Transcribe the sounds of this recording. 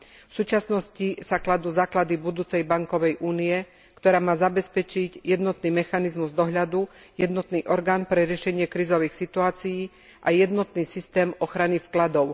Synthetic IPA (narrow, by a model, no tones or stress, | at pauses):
fsuːt͡ʃasnɔscisaklad̪uːzaːklad̪ibud̪uːt͡sɛjbaŋkɔʋɛjʔuːniɛ | kt̪ɔɾaːmaːzabɛspɛt͡ʃiɟjɛd̪nɔt̪niːmɛxanizmuzd̪ɔɦʎad̪u | jɛd̪nɔt̪niːʔɔɾɡaːnpɾɛɾɪɛʃɛɲɪɛkɾiːzɔʋiːxsit̪uaːt͡sijiː | ʔajɛd̪nɔt̪niːsist̪ɛːmɔxɾanifklad̪ɔʊ